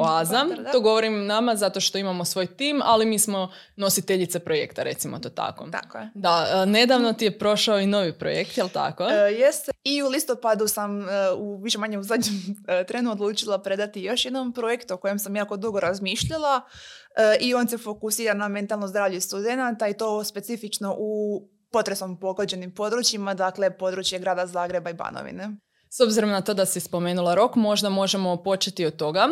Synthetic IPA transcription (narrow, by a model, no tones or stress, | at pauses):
azamd̪o̞ːɡo̞ʋo̞ɾimnamazat̪oʃt̪o̞imamo̞sʋo̞ːjt̪iːma̰limiːsmo̞ | no̞sit̪eʎit̪sepɾo̞je̞̰kt̪aɾe̞̰t̪simot̪oːt̪a̰kot̪a̰kojed̪aəne̞d̪aʋnot̪ijepɾo̞ʃaoino̞ʋipɾo̰jekt̪jelˠt̪a̰kojest̪iulist̪o̞pad̪usamuʋiʃe̞maɲeuzad̪ɲemt̪ɾenuo̞d̪luːt͡ʃilˠapɾe̞d̪at̪ijo̞ʃjed̪nompɾo̞je̞kt̪uo̞ko̞je̞msamjaːko̞d̪uɡo̞ɾazmiːʃʎalˠa | io̞nse̞fo̞kusiːɾaname̞nt̪alˠnozd̪ɾaːʋʎuist̪ud̪e̞nat̪ait̪o̞ːspe̞t̪ifit͡ʃno̞ʔu | po̞t̪ɾesompo̞ɡod͡ʑe̞nimpo̞d̪ɾut͡ɕjimad̪akle̞po̞d̪ɾut͡ɕje̞ɡɾaːd̪azaːɡɾe̞baiba̰no̰ʋḭne̞ | so̞bziɾo̞mnat̪o̞ːd̪asispo̞me̞ːnulˠaɾo̞kmo̞ʒd̪amo̞ʒemo̞po̞t͡ʃet̪iot̪ːo̞ɡa